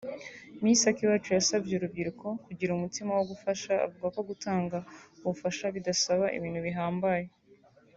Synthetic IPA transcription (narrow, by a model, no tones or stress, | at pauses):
misakiβat͡ʃujasabɟeuɾub̚ɟiɾuko̞kuɟiɾumutimawo̞ɡufaʃa̰ːvuɡako̞ɡutʰaːŋɡauβufaʃaβidasaβaʔḭβiːnhuβiɦaːmbaje